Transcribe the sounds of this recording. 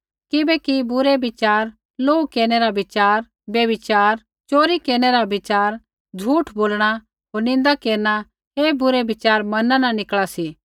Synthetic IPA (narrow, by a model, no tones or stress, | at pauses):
kɪbɛkibʊɾɛbɪt͡ʃaːɾ | loːukeːɾñɛɾabɪt͡ʃaːɾ | bjɐbɪt͡ʃaːɾ | t͡ʃoːɾikeːɾɽ̃ɛɾabɪt͡ʃaːɾ | d͡ʒʱuːʈʰboːlɽ̃a | ɦoːɾnɪ̃nd̪akeːɾña | ɦeːbʊɾebɪt͡ʃaːɾmɐnãnãnɪklasi